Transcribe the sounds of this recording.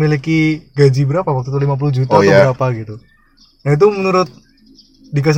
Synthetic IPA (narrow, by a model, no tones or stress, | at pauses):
milikiɡad͡ʒibəɾapawak̚t̪ut̪ulimap̬ulʊhd͡ʒut̪aɔbɾapaɡit̪u | nait̪̬umənuɾʊt̪̚ | dikas̬